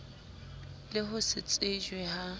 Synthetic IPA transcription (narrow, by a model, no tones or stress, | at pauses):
lɪɦʊsɪt͡sʼɪd͡ʒwɛha